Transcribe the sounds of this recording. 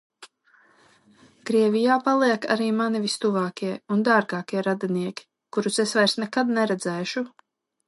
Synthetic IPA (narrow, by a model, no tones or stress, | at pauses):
kɾiɛvijaːpalˠiɛka̰ɾiːmanivist̪uvaːkiɛund̪aːɾɡaːkiɛɾad̪aniɛkʲi̥ | kuɾusesvajɾsnɛkad̪nɛɾɛd̪zɛːʃu